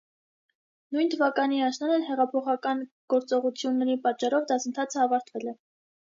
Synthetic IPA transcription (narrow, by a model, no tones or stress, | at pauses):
nujnt̪ʰəvɑkɑniɑʃnɑnɛlɦɛʁɑpʰɔχɑkɑn | ɡ̥ɔɾt͡sɔʁut͡sʰjunːɛɾipɑt̚t͡ʃɑɾɔvd̪ɑsənt̪ʰɑt͡sʰəɑvɑɾt̪ʰvɛlɛ